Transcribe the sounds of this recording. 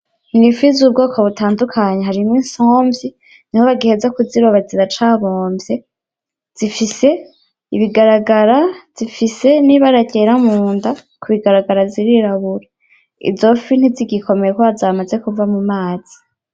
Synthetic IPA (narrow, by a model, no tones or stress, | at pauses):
inifizub̚ɡo̞ːkoβutaːndukʰaɲeɦaɾimwinsoːmbji | nihoβaɡihezakuziɾoβaziɾat͡ʃaβoːmbje | z̥ifise̞ | iβiɡaɾaɡaɾaz̥ifise̞niβaɾaɟeɾamuːnda | kuβiɡaɾaɡaɾaziɾiɾaβuɾe | ḭzo̞fin̥iziɡiko̞me̞jekoazamaze̞kuvamumaːz̥i̥